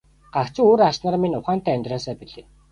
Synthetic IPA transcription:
ɢ̥akt͡ɕɪ̆ŋoːɾasʃnărminʲʊχaːnt̪ʰæːæmʲt̪raːsæːpiɮeː

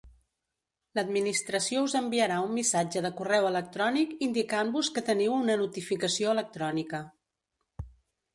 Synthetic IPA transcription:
ləd̪minist̪ɾəsiouzəmbiəɾaumːisad͡ʒəðəkurɛwələk̚t̪ɾɔnikind̪ikambuskət̪əniwunənut̪ifikəsioələk̚t̪ɾɔnikə

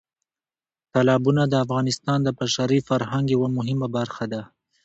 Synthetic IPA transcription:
t̪alɑbunad̪əafɣɑnɪst̪ɑnd̪əbaʃaɾifaɾɦaŋɡewamʊɦɪmabaɾxad̪a

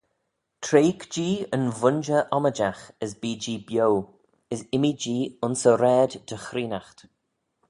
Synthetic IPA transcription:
tʰɾeːkd͡ʒiːənvʊnd͡ʒəʔɔməd͡ʒaxəzbiːd͡ʒiːbjow | əzɪmid͡ʒiːʊnsəɾɛːdd̥əxɾiːnaxt̪

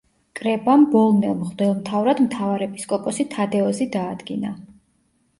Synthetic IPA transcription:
kʼɾɛbambɔlˠnɛlˠmχd̪ɛlˠmt̪ʰavɾad̪mt̪ʰavaɾɛpʼi̥skʼɔkʼɔsit̪ʰad̪ɛɔzid̪aːd̪ɡina

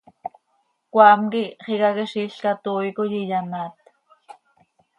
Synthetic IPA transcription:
kʷaːmkiχikakiʃiɬkat̪oːjkojijanaːt̪

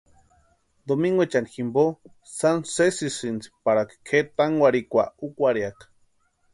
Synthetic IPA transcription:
d̪omiŋɡwet͡ʃaniximbo | sansesisint͡si̥paɽakkʰet̪aŋwʷaɾikʷa̰ukʷaɾiakḁ

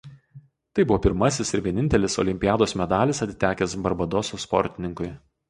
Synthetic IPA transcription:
t̪ɐɪbʊʋoːpʲɪɾmɐsʲɪsɪɾʋʲiɛnʲɪnʲt̪ʲɛlʲɪsɔ̰lʲɪmʲpʲɪjæːd̪oːsmʲɛd̪ɑːlʲɪsɐt̪ʲɪ̥t̪ʲæːkʲɛsbɐɾbɐd̪ɔsoːspɔ̰ɾʲt̪ʲɪnʲɪŋkʊɪ

